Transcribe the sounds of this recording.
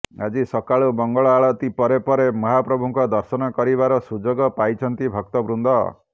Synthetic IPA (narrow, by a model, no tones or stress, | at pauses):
a̰d͡ʒisɔkaɭubɔŋɡɔɭɔaɭɔt̪ipɔɾepɔɾemɔɦapɾɔbʱuŋkɔd̪ɔɾsɔnɔkɔɾiβaɾɔsud͡ʒoɡɔpajt͡ʃʰɔnt̪ibʱɔk̚t̪ɔbɾund̪ɔ̰